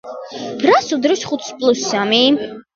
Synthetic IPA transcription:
b̥ɾasud̪ɾɔʃχut̪ʰspʼlˠusːami

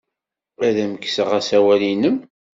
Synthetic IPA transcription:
æðæməkːsəʁæsæwælinəm

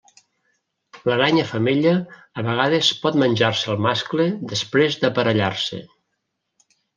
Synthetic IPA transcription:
ləɾaɲəfəmeʎəː | βəɣ̞að̞əspɔt̪mənʲʒaɾseəlˠmaskleðəspɾezðəpəɾəʎarsḛ

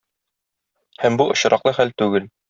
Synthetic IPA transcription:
hæmbuʔŏɕɾʔɑqlˠɤχælt̪ʉɡɘl

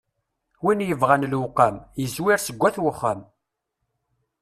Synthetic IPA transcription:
winjəvʁanlwʊqːamjəzwiɾsəɡʷːæθwəχːam

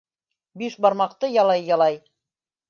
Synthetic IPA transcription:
biʃbɑɾmɑq̚t̪ɤjɑlˠɑjːɑlˠɑj

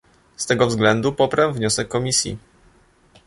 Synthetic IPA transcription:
st̪ɛɡɔvzɡlɛnd̪upɔpɾɛwvɲɔsɛkːɔmʲisʲjḭ

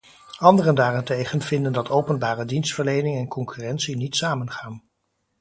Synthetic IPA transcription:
ɑndərəndaːrɛntejχənv̥ɪndəndɑtʰowpənbaːrədinstfəɹlejnɪŋɛnkɔŋkyːrɛntsinitsaːmənχaːn

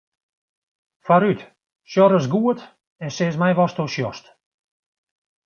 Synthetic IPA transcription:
faɾyt | ʃjɔɾəs̬ɡuət | ɛnseːsmɛjʋɔstoʃjɔst

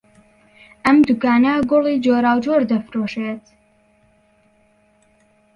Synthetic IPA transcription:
ʔɐmd̪ukaːnaɡolˠid͡ʒoːɾaːwd͡ʒoːɾd̪ɐfɾoːʃeːt̪

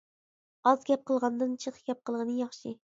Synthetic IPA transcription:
ɑzɡʲɛp̚qəlˠʁɑnd̪ɨnt͡ʃʰɨqʰɡʲɛp̚qʰəlˠʁənɨjɑχʃɪ

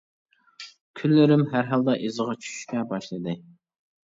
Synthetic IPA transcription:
kʲʰylːɪɾɪmɦæɾɦɑlˠd̪ɑʔezəʁɑt͡ʃʰy̥ʃkʲɛbɑʃlˠɨd̪ɨ

